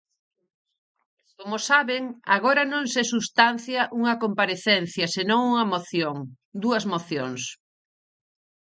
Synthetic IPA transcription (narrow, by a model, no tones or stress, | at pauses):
komosaβeŋa̰ɣoɾɐnõŋsesust̪an̟θjɐʔuŋɐkompaɾeθɛn̟θjɐsenõŋuŋɐmoθjoŋ | d̪uɐzmoθjoŋs